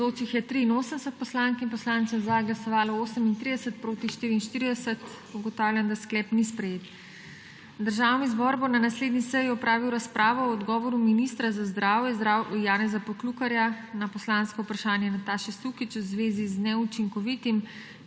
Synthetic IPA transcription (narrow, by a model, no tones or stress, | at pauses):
zot͡ʃixjɛt̪ɾiːnoːsəmsət̪̚pɔslaːnkimpɔslaːnt̪səzaɡlasɔʋaːlɔoːsəmint̪ɾid̪ɛsət̪̚pɾoːt̪iʃt̪iːɾiːnʃt̪iːɾid̪ɛsət̪ | uɡɔt̪aːwlʲjand̪asklɛːpnispɾɛjeːt̪ | d̪əɾʒaːwnizbɔːɾbɔnanasleːd̪nisɛjiɔpɾaːʋiwɾaspɾʔaːʋɔɔd̪ɡɔːʋɔɾuminist̪ɾazazd̪ɾaːwjɛzd̪ɾaːwjaːnɛzapɔklukaɾjanapɔslaːnskɔupɾaʃaːnjɛnat̪aːʃɛsukit͡ʃwzʋeːziznɛut͡ʃiŋkɔʋit̪im